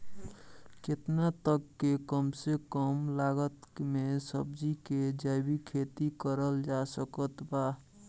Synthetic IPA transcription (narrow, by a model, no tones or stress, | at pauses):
ket̪nat̪əkːekəmsekəmlaɡət̪mesəbd͡ʒiked͡ʒajbikʰet̪ikəɾəld͡ʒasəkət̪ba